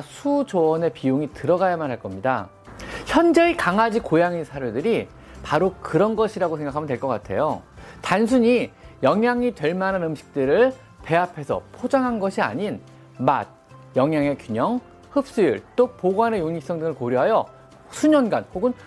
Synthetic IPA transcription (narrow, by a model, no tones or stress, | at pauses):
sʰud͡ʑoʌne̞pioŋitɯɾʌɡajamanɦaɭk͈ʌmɲida | çjʌnd͡ʑe̞ːkaŋad͡ʑikojaŋinsʰaɾjodɯɾi | paɾokɯɾʌnɡʌɕʰiɾaɡosʰe̞ŋɡakʰamɯntweɭk͈ʌk͈atʰe̞̰jotansʰuɲijʌŋjaŋitwe̞ɭmananɯmɕʰi̥k̚t͈ɯɾɯɭ | pe̞apʰe̞sʰʌ̰pʰod͡ʑaŋɦanɡʌɕʰia̰ɲin | ma̰d̚ | jʌŋjaŋe̞kjuɲʌŋ | hɯp̚s͈ujiɭt͈opoɡwane̞joŋik̚s͈ʌŋdɯŋɯɭkoɾjoɦajʌ | sʰuɲʌnɡanhoɡɯn